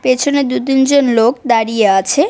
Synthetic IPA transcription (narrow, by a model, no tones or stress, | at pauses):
pet͡ɕʰoned̪ut̪ind͡ʑonlokd̪aɾieat͡ɕʰe